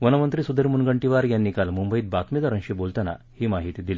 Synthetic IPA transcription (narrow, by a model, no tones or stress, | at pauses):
ʋɐnɐʋɐnt̪ɾisud̪iɾmunɡəɳʈiʋaɾjanːikalmumbəjit̪̚bat̪mid̪aɾɐŋɕibolt̪ana̰ | hiːmaɦit̪id̪ili